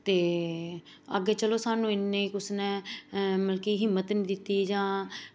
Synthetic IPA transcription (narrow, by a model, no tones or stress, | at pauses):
t̪eː | ə̰ɡeːt͡ʃəloːsaːnũːɪnːẽiːkʊsnɛ̃ːməlkiːɦɪmːət̪nĩːd̪ɪt̪ːiːd͡ʒãː